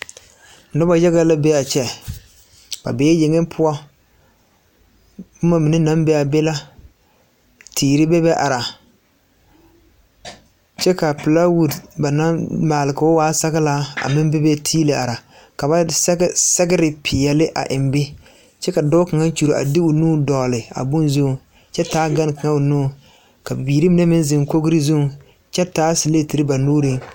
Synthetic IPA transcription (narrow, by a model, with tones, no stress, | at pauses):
nɔ˦ba˨ja˦ɣa˦la˦be˦a˨t͡ʃɛ˦ | b̥a̰˨beː˨˦je˨ŋɪ˦m˦pʰʊ˦ɔ˦ | bʊ˦ma˦mɪ˨nɪ˦na˦mbɛ˦a˨be˦la˦ | tʰiː˨ɾɪ˦bɛ˦bɛ˦ʔa˨ɾa˨ | t͡ʃɛ˦ka˨pɪ˨la˦wu˨dba˨na˦maː˨lɪ˨kʊ˦waː˦sa˦ɡɪ˦la˦a̰˨mɪ˦m˦bɪ˦bɛ˦tʰiː˦le˨ʔa˨ɾa˨ | ka˨ba˦sɛ˦ɡɪ˦ɾɪ˨pʰɪ˨jɛ˨lɪ˦ʔa̰˨ʔɪ˨mbɪ˦ | t͡ʃɛ˦ka˨dɔ˦ka˨ŋa˦t͡ʃu˨ɾo˨ʔa̰˨dɪ˦ʊ˨nuː˦dɔː˨lɪ˨a̰˨bʊ˦nzu˦˨ | t͡ʃɛ˦taː˦ɡa˦n˦˨ka˨ŋa˦ʊ˨nuː˦˨ | ka˨bi˨biː˨ɾi˦mɪ˨˦nɛ˦mɪ˦n˦zɪ˨ŋ˨ko˦ɡɾi˦zu˦˨ | t͡ʃɛ˦taː˨˦si˨le˦˨ti˨ɾɪ˦ba˨nuː˦ɾɪ˦ŋ